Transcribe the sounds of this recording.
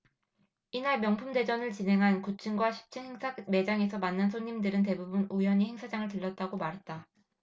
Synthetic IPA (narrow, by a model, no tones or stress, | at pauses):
inaɭmjʌŋpʰumde̞d͡ʑʌnɯɭt͡ɕine̞ŋɦankut͡ɕʰɯnɡwaɕʰi̥p̚t͡ɕ͈ʰinheŋsʰame̞d͡ʑaŋe̞sʰʌmanːɯnsʰoŋɲimdɯɾɯnt̬e̞bubunujʌɲiheŋsʰad͡ʑaŋɯɭtɯɭːʌt̚t͈aɡomaɾɦe̞t̚t͈a